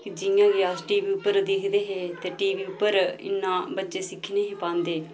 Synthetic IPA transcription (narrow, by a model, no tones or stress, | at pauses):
kɪd͡ʒɪjãːɡiaːsʈiːʋiːʊpːəɾd̪ɪkʰd̪eːɦeːt̪eːʈiːʋiːʊpːəɾɪ̰nːãːbətːt͡ʃeːsɪkʰːneːɦĩːpãːnd̪eː